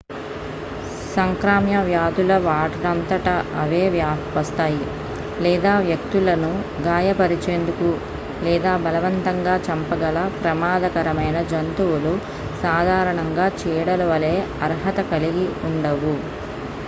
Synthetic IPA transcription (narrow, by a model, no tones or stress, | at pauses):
sɐŋkɾaːmjɐʋjaːd̪ulɐʋaːʈɐɽɐnt̪ɐʈɐɐʋeːʋjaːʋɐst̪aːji | lɛːd̪aːʋjɐk̚t̪ulɐnu | ɡaːjɐpɐɾit͡ʃeːnd̪uku | lɛːd̪aːbɐlɐʋɐnt̪ɐŋɡaːt͡ʃɐmpɐɡɐlɐpɾɐmaːd̪ɐkɐɾɐmɐjnɐd͡ʒɐnt̪uwulu | saːd̪ʱaːɾɐɳɐŋɡaːt͡ʃɛːɽɐluʋɐleː | ɐɾɦɐt̪ɐkɐliɡiuɳɖɐʋu